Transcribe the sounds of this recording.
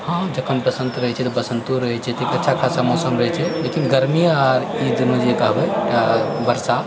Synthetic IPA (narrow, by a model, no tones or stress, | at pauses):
hãd͡ʒəkʰːənpəsənt̪ɾəɦɛt͡ʃʰɛt̪ɔbəsənt̪uɾəɦɛt͡ʃʰɛt̪ikətːʃʰakʰasamɔsəmɾəɦɛt͡ʃʰɛlekinɡəɾmiaɾid͡ʒinəd͡ʒekəɦbɛabəɾsa